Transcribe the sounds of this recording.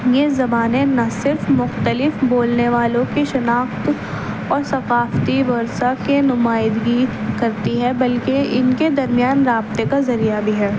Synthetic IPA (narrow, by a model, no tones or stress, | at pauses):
jezɐbaːnẽnɐsɪɾfmʊxt̪əlɪfboːlneʋaːlõkeʃɐnaːxt̪ | ɔːɾsɐqaːft̪iʋɐɾsakenʊmaːɪd̪ɡikɐɾt̪iɦɛbɐlkeɪnked̪ɐɾmijaːnɾaːbt̪ekazɐɾijabʱiɦɛː